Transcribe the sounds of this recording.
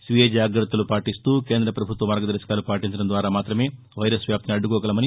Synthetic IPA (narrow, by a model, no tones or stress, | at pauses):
sʋied͡ʒaːɡɾɐt̪ːɐlupaːʈist̪uːke̞ːnd̪ɾɐpɾɐbʱut̪ʋɐmɐɾɡɐd̪ɐɾʃɐ̥kaːlupaːʈiɲt͡ʃɐɽɐmnd̪ʋaːɾaːmaːt̪ɾɐme̞ː | ʋɐjɾɐsʋjaːp̪̚ɐniɐɖːukɔːkɐlɐmɐni